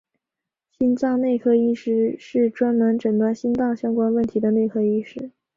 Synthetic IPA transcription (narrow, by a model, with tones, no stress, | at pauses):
ɕi˥nt͡sɑ˥˧ŋne˥˧ɪkʰɤ˥˧i˥˧ʂɻ̩˥˧ʂɻ̩˥˩ʈ͡ʂwa˥nmə˧˥nʈ͡ʂɤ˨˩t̪a˥ɕi˥nt͡s̪ɑ˥˩ŋɕjɑ˥ŋkwa˥nwə˥˩nt̪ʰi˧˥d̪ə˧ne˥˩ɪkʰɤ˥˧i˥˩ʂɻ̩˥˩